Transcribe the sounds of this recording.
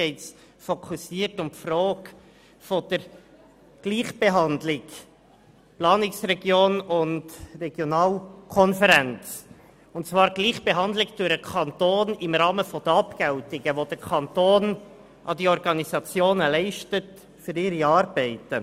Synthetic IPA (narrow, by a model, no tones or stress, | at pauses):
ɛɪts | fɔkʰusiːəɾtʊmpfroːk | fɔd̥̪əɾ | ɡ̥liːχb̥eɦɑnd̪lɪɡ | plɑːnɪksɾɛɡjoːnʊndrɛɡ̥jonɑːlkʰɔnfəɾɛnt͡s | ʊntt͡svɑːɾɡliːχb̥eɦɑnd̪lɪɡd̥ʊɾəkʰɑntoːnɪmɾɑːməfɔd̥̪əɑpkɛltɪɡəʋod̥̪əɾkʰɑntoːn | ʔɑdiɔɾɡɑnizɑt͡sjoːnəlɛɪʃtət | fʏɾɪɾiɑːɾbɛɪtə